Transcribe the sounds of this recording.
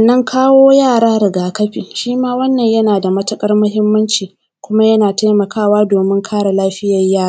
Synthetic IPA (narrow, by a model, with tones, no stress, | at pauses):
ɐ˨nːɐ˦ŋkʰaː˦woː˦jaː˦˨ɽaː˦ɽɪ˨ɡaː˨kɐ˦ɸiː˨ʃiː˦maː˦wɐ˦nːɐ˨ɲjɐ˦naː˨da˨mɐ˦tɐ˦kʼɐ˦rmʊ˦ɦɪ˦mːɐ˦nt͡ʃiː˨ | kʷʊ˦ma˦jɐ˦naː˨ta˦jmɐ˨kaː˦˨waː˦doː˨mɪ˦ŋkʰaː˦ɽa˨laː˦ɸɪ˦jɐ˨jaː˦˨ɾaː˦